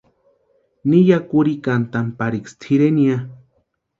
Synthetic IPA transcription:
nijakuɾikant̪ampaɾikst̪ʰiɾenia

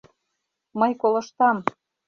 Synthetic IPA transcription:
mɤjkolɤ̆ʃt̪ɑm

